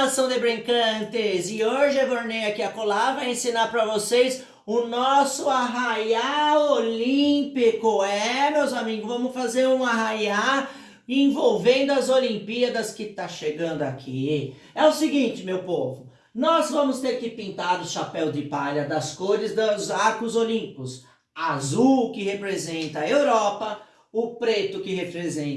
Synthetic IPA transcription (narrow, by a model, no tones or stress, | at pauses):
asɐ̃w̃d̪ɪbɾẽkɐ̃t̪ɪzɪoʒɪɛvoɾnejɐkɪɐkolavajẽsĩnaɾpɾɐvosejs | ʊnɔsʊaɦajaolĩpikʊɛmewzamiɡʊzvɐ̃mʊsfazeɾũaɦaja | ẽvowvẽnd̪ʊɐzolĩmpiɐd̪ɐskɪt̪aʃeɡɐ̃nd̪ʊakʰi | ɛʊsɪɡĩt͡ʃɪmewpovʊ | nɔzvɐ̃mʊst̪eɾkɪpĩnt̪ad̪ʊʃapɛwd͡ʒ̪ɪpaʎɐd̪ɐskoɾɪzd̪ɐzaɾkʊzolĩmpikʊs | azuwkɪhepɾezẽnt̪ɐewɾɔpɐ | ʊpɾet̪ʊkɪhepɾezẽ